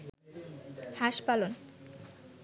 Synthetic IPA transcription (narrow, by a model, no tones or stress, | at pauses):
haʃpalon